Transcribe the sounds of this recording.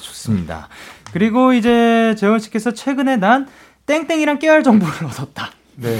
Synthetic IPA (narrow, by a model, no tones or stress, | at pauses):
t͡ɕo̥s͈ɯmɲida̰kɯɾiɡoid͡ʑe̞t͡ɕeʌnɕ͈ʰi̥k͈e̞sʰʌt͡ɕʰwe̞ɡɯne̞nan | t͈e̞ŋt͈e̞ŋiɾaŋk͈eɦaɭt͡ɕʌŋboɾɯɾʌdʌt̚t͈a | ne